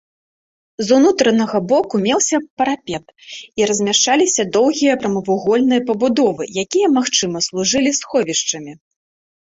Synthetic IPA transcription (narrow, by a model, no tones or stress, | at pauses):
zunut̪ɾɐnɐɣɐbɔkumʲɛwsʲɐpɐɾapʲɛt̪iɾɐzʲmʲaʂt͡ʂalʲisʲɐd̪ɔwɣʲijɐpɾɐmɐvuɣɔlʲnɨjɐpɐbud̪ɔvɨjakʲijɐmaxt͡ʂɨmɐslˠuʐɨlʲisxɔvʲiʂt͡ʂɐmʲi